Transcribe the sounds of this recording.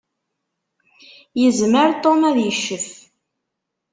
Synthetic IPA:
jəzməɾt̪ˤomæðjəʃːəf

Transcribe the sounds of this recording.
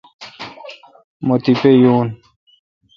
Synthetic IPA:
mot̪ipejuːn

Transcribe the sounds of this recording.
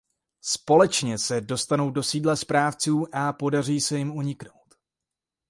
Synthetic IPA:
spo̞lɛt͡ʃɲɛsɛdo̞st̪ano̞wdo̞siːdlɛspɾaːft͡suːʔapo̞dar̝iːsɛjɪmuɲɪkno̞wt̪

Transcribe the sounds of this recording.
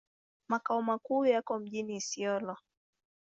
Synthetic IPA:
makaɔmakuːjakɔm̩ʄinisiɔlɔ

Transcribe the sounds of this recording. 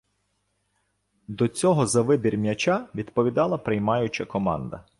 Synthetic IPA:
d̪ɔt͡sʲɔɦɔzɐʋɪbʲiɾʲmʲjɐt͡ʃʲɑʋʲid̪pɔʋʲid̪ɑlˠɐpɾɪjmɑjʊt͡ʃɐkɔmɑ̰nd̪ɐ̰

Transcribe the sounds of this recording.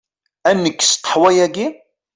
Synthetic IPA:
ænːəkːst̪ə̥ħwæjæɡi

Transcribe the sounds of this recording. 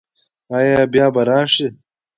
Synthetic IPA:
ajabjaːbɐɾaːʂi

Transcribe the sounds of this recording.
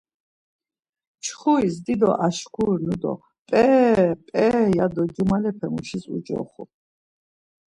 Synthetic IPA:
t͡ʃʰχuisd̪id̪ɔ̰ʔaʃkʰuɾnud̪ɔ̰ | pʼɛpʼɛjad̪ɔd͡ʒumalɛpʰɛmuʃisṵd͡ʒɔ̰χṵ

